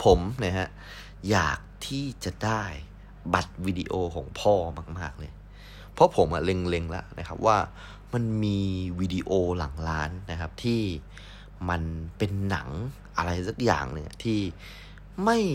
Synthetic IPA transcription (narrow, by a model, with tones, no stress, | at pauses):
pʰo˨˩˦mna˦˧ha˦˧˥ʔ | ja̰ː˨˩k̚t̪ʰiː˥˩t͡ɕa˨˩daː˥˩j | ba˨˦t̪̚wiː˧di˧ʔoː˧kʰɔ̰ː˩˦ŋpʰɔː˥˩maː˧˥˩k̚maː˥˩k̚lɤː˧j | pʰɔ˦˥pʰo˩˦mʔa̰˨˩le˧ŋle˧ŋla̰˦˥ʔnʔa˦˥kʰa˦˥p̚waː˥˩ | ma˧nmiː˧wiː˧di˧ʔoː˧la˨˩˦ŋlaː˦˥nːa˦˧kʰa˦˥p̚t̪ʰiː˥˩ | ma˧npe˧nːa̰˨˩˦ŋ | ʔa˧ɾa˧jsa˦˥˩k̚ja̰ː˨˩ŋle˧˦ɲa̰˧˥t̪ʰiː˥˩ | ma˥˩j